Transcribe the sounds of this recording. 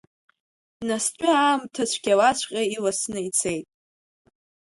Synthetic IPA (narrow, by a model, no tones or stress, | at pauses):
nast͡ɕʷʼʏaːmtʰat͡ɕʷʰɡʲalat͡ɕʷʰqʲʼailasnɨit͡sʰejtʼ